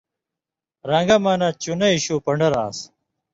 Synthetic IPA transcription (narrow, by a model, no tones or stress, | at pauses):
ɾaːŋɡɐmaːnat͡ɕunɐiɕuːpɐɳɖɐɾaːs